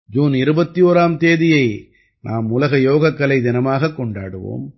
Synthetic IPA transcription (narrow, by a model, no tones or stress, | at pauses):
d͡ʒuːnɪɾɯbɐt̪ːijoːɾaːmt̪eːðɪjɐɪ | nʔaːmʊlɐɣɐjoːɣɐkːɐɭɐɪd̪ɪnɐmaːɣɐkːɔɳɖa̰ːɽɯʋo̰ːm